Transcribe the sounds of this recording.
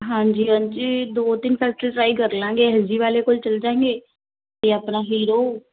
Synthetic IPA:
ɦãːɲd͡ʒiːãɲt͡ʃid̪oːt̪ɪnpʰɛːsəlʈɾaːikəɾlãːŋɡeːɦəziːʋaːleːkoːlt͡ʃəld͡ʒãːẽːŋɡeː | t̪eːapnaːɦiːɾoː

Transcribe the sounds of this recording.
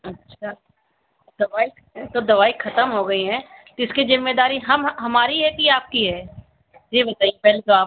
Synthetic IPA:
ɐtːʃʰaː | d̪ɐʋaːi | t̪od̪ɐʋaːixʰɐt̪əmɦoɡɐiɦɛ̃ːt̪ɪskizɪmːed̪aːɾiɦɐmɦɐmaːɾiɦɛkiaːp̚kiɦɛː | d͡ʒibɐt̪aːijepɛɦlet̪oaː

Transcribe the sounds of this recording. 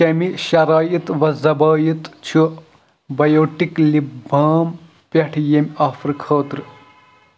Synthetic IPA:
kɐmiʃɐɾaːjit̪ʋɐzɐbaːjit̪t͡ʃʰu | bɐjoːʈːiklibʱaːm | pʲɐʈʰjemʲaːfɾɨkʰɐːt̪ɾɨ

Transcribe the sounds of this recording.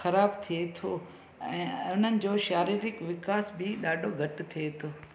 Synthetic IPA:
xɐɾaːbt̪ʰiet̪ʰoː | ɛ̃ːʊn̤ənɪ̆d͡ʑoːʃaːɾiːɾɪkʋɪkaːsbɪɗaːɖʱoɡʱɐʈ̆t̪ʰiet̪ʰoː

